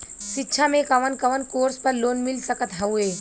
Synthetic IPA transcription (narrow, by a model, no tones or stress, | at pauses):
ʃɪtːʃʰamẽkɐʋənkɐʋənkoːɾspɐɾloːnmɪlsəkət̪ɦɐueː